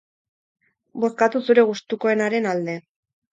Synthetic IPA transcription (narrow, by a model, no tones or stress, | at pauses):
bo̞skat̪usuɾe̞ɣust̪uko̞e̞naɾe̞nald̪e̞